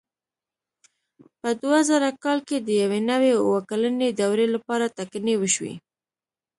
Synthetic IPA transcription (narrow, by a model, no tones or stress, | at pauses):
pəd̪wazaɾakɑlked̪əjawenawewəkaləned̪awɾelapɑɾat̪aknewəʃwḭ